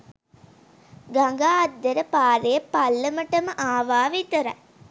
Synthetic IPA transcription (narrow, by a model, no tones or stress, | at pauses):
ɡaŋɡaːd̪ːeɾəpaːɾejəpalːəməʈəməʔaːʋaːʋit̪əɾɐ̰